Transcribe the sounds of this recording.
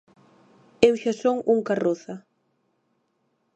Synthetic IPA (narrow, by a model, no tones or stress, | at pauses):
ewʃasoŋuŋkaroθa